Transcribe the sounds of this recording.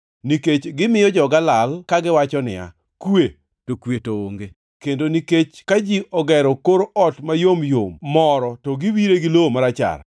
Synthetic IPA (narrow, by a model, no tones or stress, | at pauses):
niket͡ʃɡɪmɪjɔd͡ʒɔɡalalkaɡɪwat͡ʃɔnɪ̰a̰ | kwe | tokwetooŋɡe | kendoniket͡ʃkad͡ʒiʔɔɡɛɾɔkoɾɔtmajomjommɔɾɔtɔɡiwiɾeɡɪlomaɾat͡ʃa̰r